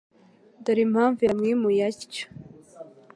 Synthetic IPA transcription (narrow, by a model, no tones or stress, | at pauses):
daɾimhaːɱviɾamŋimujacḁ